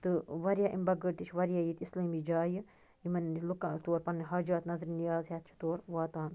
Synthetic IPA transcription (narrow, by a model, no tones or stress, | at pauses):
t̪ɨʋɐɾjaːʔimbɐɡəɾt̪it͡ʃʰʋɐɾjaːjit̪islɐːmid͡ʒaːji | imɐnlukat̪oːɾpɐnːiɦɐːd͡ʒaːt̪nɐzɾinijaːzɦet̪̚t͡ʃʰi̥t̪oːɾʋaːt̪aːn